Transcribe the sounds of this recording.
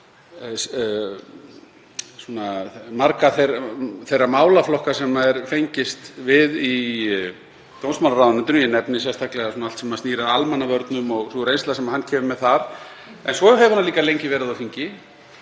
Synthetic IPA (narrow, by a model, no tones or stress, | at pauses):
sunamaɾkaθeθejrːamaːwlaflɔhkasɛmːaɛɾfejɲcɪst̪vɪði | t̪ownsmanaɾawðanɛnt̪ʏnjɛnɛpnɪsɛst̪ʰahklɛɣasuːnalt̪sɛmatniːɾaalmanavœɾt̪nʏmɔɣθuɾejnst̪lasɛmahanːcʰɛːmʏmɛðθaɾɛnsvɔɦɛvɪhanaliːkalejɲcɪvɛːɾɪðawfiɲcɪ